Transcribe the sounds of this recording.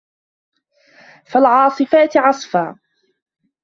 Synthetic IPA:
falʕɑːsˤɨfaːt̪ɪʕɑsˤfaː

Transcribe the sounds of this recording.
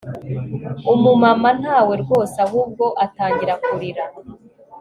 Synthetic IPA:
umumaman̥haːwe̞ɾɡo̞ːsahub̚ɡo̞ʔataːɲɟiɾakuɾiɾa

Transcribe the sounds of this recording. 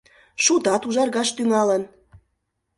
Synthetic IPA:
ʃud̪ɑt̪uʒɑrɣɑʃt̪yŋɑlən

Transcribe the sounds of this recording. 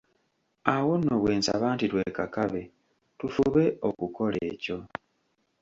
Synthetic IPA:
awo̞nːoβwe̞ːnsa̰βaːntitwe̞ːkakaβe̞ | tufuβe̞okuko̞le̞ːco̞

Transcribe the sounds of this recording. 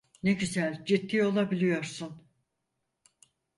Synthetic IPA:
neɟyzælʲd͡ʒit̪ːijo̞lˠabilʲijo̞ɾsun

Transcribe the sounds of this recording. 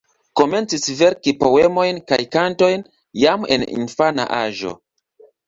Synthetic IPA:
ko̞me̞nt͡sisve̞ɾkipo̞wemo̞jnkajkanto̞jn | jame̞̰nḭnfana̰ʔaʒo̞̰

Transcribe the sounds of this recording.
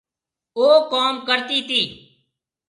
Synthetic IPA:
oːkoːmkəɾt̪iːt̪iː

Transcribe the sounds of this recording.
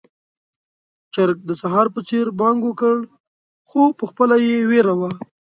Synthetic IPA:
t͡ʃaɾk̚d̪əsaɦɑɾpət͡seɾbɑŋɡwəkəɽ | xopəxpəlajeweɾawa

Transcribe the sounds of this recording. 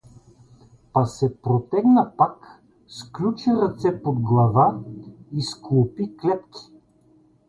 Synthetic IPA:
pɐsɛpɾot̪ɛɡnɐpak | sklʲut͡ʃiɾɐt̪sɛpod̪ɡlˠɐvaisklˠopiklɛt̪kʰʲi̥

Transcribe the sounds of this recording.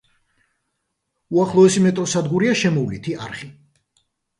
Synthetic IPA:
uaχlˠɔɛsimɛt̪ʼɾɔsad̪ɡuɾiaʃɛmɔvlit̪ʰiaɾχi

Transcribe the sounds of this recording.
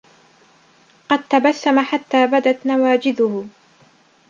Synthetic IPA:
qɑd̪̚t̪abasːamaħat̪ːaːbad̪at̪nawaːd͡ʒɪd̪ʊhʊ

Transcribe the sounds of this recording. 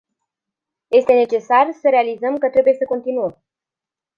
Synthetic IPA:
je̞st̪e̞ne̞t͡ʃe̞sarsəɾe̞alizəmkət̪ɾe̞buje̞səko̞nt̪inuəm

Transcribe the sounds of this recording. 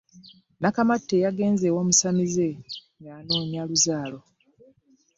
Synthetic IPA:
nakamatːe̞jaɡe̞ːnzewoːmusamize | naːno̞ːɲjaluzaːlo̞

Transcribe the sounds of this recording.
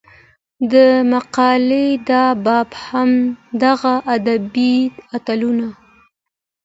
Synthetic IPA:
d̪əmaqɑled̪ɑbɑbhamd̪aɣaʔad̪abiat̪aluna

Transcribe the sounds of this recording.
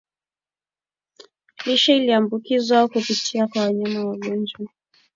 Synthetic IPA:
liʃailiambukizwakupitʰiakwawaɲamawaɠɔnd͡ʒwa

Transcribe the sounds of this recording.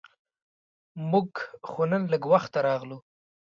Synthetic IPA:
mʊɡxonənləɡwaxt̪ːaɾɑɣlu

